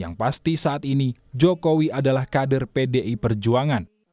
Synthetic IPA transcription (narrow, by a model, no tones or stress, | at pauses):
ja̰ŋpast̪isaʔat̪inid͡ʒɔkowiadalahkadərpedeʔipərd͡ʒuaŋan